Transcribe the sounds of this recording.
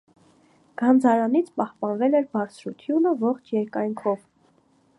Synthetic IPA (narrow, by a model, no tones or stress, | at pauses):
ɡ̥ɑnd͡zɑɾɑnit͡sʰpɑhpɑnvɛlɛɾbɑɾt͡sʰɾut̪ʰjunəvɔχt͡ʃʰjɛɾkɑjŋkʰɔv